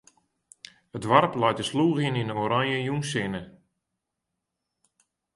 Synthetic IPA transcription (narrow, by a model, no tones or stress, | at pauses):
ədʋarplɛjtəsluːɣininəoːɾaɲjəjunsɪnə